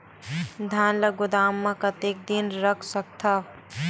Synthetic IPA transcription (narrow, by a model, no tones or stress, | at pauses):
d̪ʱaːnlɐɡʊd̪aːmːãkɐt̪eːk̚d̪inɾəkʰsɐk̚t̪ʰa